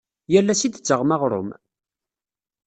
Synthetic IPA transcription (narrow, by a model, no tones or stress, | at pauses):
jælːæsid̪ət͡sːəʁmaʁɾˤʊ̰m